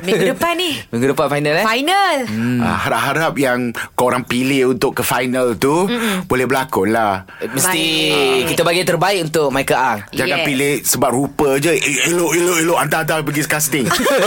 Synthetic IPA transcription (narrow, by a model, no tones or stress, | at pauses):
miɡdəpanimiɡudəpanfajnəlajnəla̰ɦaɾap̚ɦaɾap̚jaŋkəoɾaŋpilɪhunt̪ʊʔkːəfajnəlt̪ubolɛhbəlakʊlah | məst̪ikit̪əbaɡit̪ərbaɪʔunt̪ʊk̚majkəʔaŋd͡ʒaɡãpilɪhsəbap̚rupəd͡ʒəeloʔiloʔeloʔant̪aant̪apəɡisə̥kast̪ɪŋ